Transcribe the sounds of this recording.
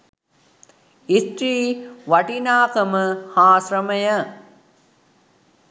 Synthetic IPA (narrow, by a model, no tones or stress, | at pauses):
isʈɾiːʋɐʈinaːkəməhaːsɾɐməjə